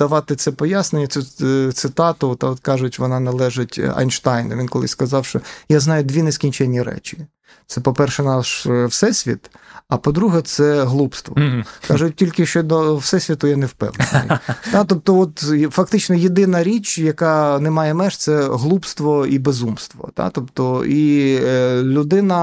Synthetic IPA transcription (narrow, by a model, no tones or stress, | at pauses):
d̪̥ɐʋɑt̪ɪt̪sɛpɔjasnenʲːɐsʲut̪sɪt̪ɑt̪ʊt̪ɑɔt̪kɑʒʊtʲʋɔnɑnɐlˠɛʒɪtʲɐ̰jnʃt̪ɑjnɐ̰ʋʲinkɔlˠɪ̰skɐzɑwʃt͡ʃɔjaznɑjʊd̪ʲʋʲineskʲinʲt͡ʃɛnʲːiɾɛ̰t͡ʃʲi̥ | t̪sɛpɔpɛrʃɛnɑʃwsɛsʲʋʲḭt̪ɐpɔd̪ɾuɦɛt̪sɛɦlˠupst̪ʋɔ̰kɑʒʊt̚ʲtʲilʲkɪʃt͡ʃɔd̪ɔwsɛsʲʋʲit̪ʊjɛnewpɛ̰wn̰nɪ̰jt̪ɑt̪ɔp̚t̪ɔɔt̪fɐkt̪ɪt͡ʃnɔjed̪ɪnɐɾʲit͡ʃjɐkɑnemɑjɛmɛʃt̪sɛɦlˠupst̪ʋɔibezumst̪ʋɔ̰t̪ɑ̰t̪ɔpt̪ɔi | lʲʊd̪ɪnɐ